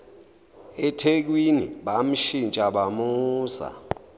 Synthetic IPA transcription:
ɛtʰek̬winiɓam̩ʃint͡ʃʼaɓamuːza̰

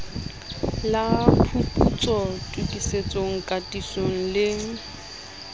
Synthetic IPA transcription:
lapʰupʰut͡sʼɔtʼukʼiset͡sʼoŋ̩kʼatʼisoŋ̩lɪŋ̩

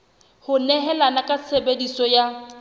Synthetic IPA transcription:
hʊnɛɦɛlanakʼasʰebedisɔja

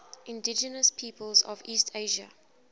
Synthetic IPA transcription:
ʔɪ̃ndɪd͡ʒənəspʰiːpəlˠzɔ̰viːstʰeɪʒə̰

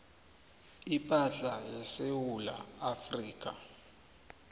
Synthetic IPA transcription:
ipʼaɬajɛsewula̰afriːk̬ʼa̰

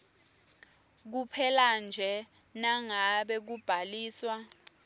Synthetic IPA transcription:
k̬upʰɛland͡ʒʱɛ | naŋaɓɛk̬ub̥ʱaliːswa

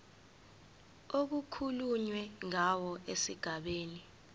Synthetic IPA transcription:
ok̬ukʰuluɲwɛŋawɔesiɡ̥ʱaɓeːni

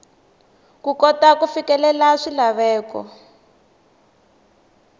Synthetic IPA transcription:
kukɔtakufikɛlɛlaʂilaβɛːkɔ̰

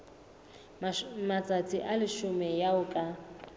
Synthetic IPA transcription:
mat͡sʼat͡sʼiʔalɪʃʊmɛjaʊkʼa

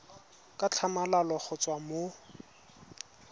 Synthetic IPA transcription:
kʼat͡ɬʰamalalɔk͡xʊt͡sʼwamo

